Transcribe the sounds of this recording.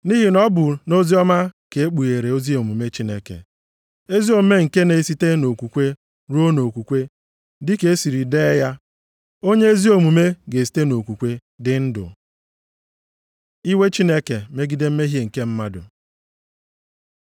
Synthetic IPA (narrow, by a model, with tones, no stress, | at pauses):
ni˦ɦi˨nɔ˦bʊ˨no˦zi˦ɔ˦ma˦ke˨e˦k͡pu˨je˨ɾe˨o˦zi˦o˨mu˨me˦t͡ʃi˦ne˦kḛ˨ | e˦zi˦o˨m̩˦me˦ŋ̩˨ke˦ne˨si˦te˦no˨kʷu˨kʷe˦ | ɾu˦o˦no˨kʷu˨kʷe˦ | dɪ˦ke˨˦e˦si˨ɾi˨deː˦ja˦ | o˦ɲe˦e˦zi˦o˨mu˨me˦ɡe˨si̥˨˦te˦no˨kʷu˨kʷe˦ | dɪ˦n̩˦dʊ̰˨ | i˦we˦t͡ʃi˦ne˦ke˨me˦ɡi˦de˦m̩˦me˦ɦje˦˨ŋ̩˨ke˦m̩˦ma˦dʊ̰˨